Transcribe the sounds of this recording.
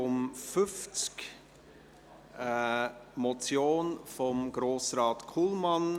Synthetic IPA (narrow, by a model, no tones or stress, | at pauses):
ʊmfʏft͡sk | mɔt͡sjoːnfɔmɡ̥ɾoːsrɑːtkʰulmɑn